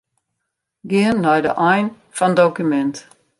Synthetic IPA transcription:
ɡɪənːɔjdə̰ʔɔjn | fɔndokymɛnt

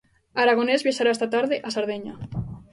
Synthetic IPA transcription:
aɾaɣ̞onezβjaʃaɾaest̪at̪aɾðeʔasaɾðeɲa

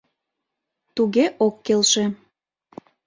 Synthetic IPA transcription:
t̪uɣeʔokːelʃe

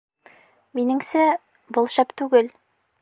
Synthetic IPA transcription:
minɘ̆ŋsæ | bŏlˠɕæpt̪ʉɡɘl

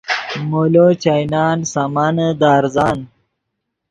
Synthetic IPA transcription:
molot͡ɕajnɑːnsamanəd̪aːɾzɑːn

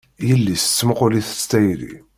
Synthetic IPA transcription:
jəlːist͡sːməqʊliθə̥t͡sːt̪ːæjlḭ

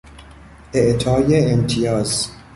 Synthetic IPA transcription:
ʔeʔt̪ʰɒːjeːmt̪ʰijɒːz

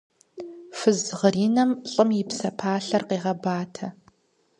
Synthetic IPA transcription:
fɨzʁəɾiːnɐmɕʼɨmjɪpsɐpʰaːɬɐrqeːʁɐbaːtʰɐ

